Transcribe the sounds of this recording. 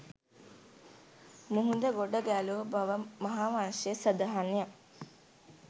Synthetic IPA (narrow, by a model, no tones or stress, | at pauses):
muɦund̪əɡoɖəɡælubaʋəmɐɦaːʋanʃesəd̪aɦanja